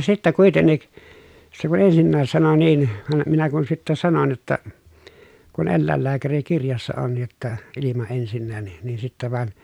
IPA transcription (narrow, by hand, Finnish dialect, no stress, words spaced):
sitːæ kuitenːik se kun ensinːæːs sɑno niːn ʋɑm minæ kun sitːæ sɑnon jotːɑ kun elːæˑelːæːkærikirjɑsːɑ on jotːɑ ilimɑ ensinːæːn nin nin sitːæ ʋɑn